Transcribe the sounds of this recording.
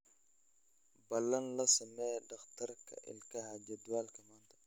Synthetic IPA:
bɐlːɐnlɐsɐmɛːdɐqt̪ɐɾkʰɐ̰ʔɪ̰lkɐhad͡ʒɐd̪ualkɐmaːnt̪ʰɐ̥

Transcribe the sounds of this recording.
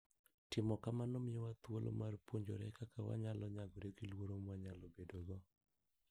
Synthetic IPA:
tɪmɔkamanomɪowat̪wolʔo̰marpoɲd͡ʒo̰ɾɛkakawa̰ɲalɔɲaɡɔɾeɡilwoɾomwaɲalobedoɡɔ

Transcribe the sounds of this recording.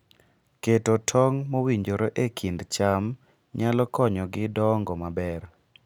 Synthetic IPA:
ketotʰɔŋmowiɲd͡ʒoɾoʔekʰindt͡ʃam | ɲalɔkɔɲɔɡɪdɔŋɡɔmabɛr

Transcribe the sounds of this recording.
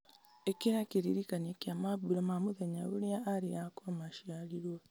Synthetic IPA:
ekeɾakeɾiɾikanekiamaβuɾamamoðeɲaoɾeaʔaɾeakamaʃialiɾwɔ

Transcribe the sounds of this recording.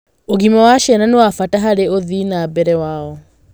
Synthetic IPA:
oɣimɔwaʃɛnanewafataɦaɾeoðinabɛɾɛwaɔ

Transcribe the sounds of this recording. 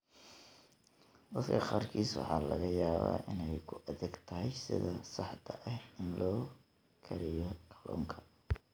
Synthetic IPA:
d̪ɐd̪kʰɐχɑːrkʰiːswɑ̰ħɑːlɐ̰ɣɐjaːβa̰ːʔɪnɛjkʰʊʔɐðɛɡt̪ʰɐɦɛjsɪ̰ðɐsɑħt̪ʰɐʔɐhɪnlɔː | kʰɐɾɪjɔqʰɑlɔ̰ːŋkʰɐ̥

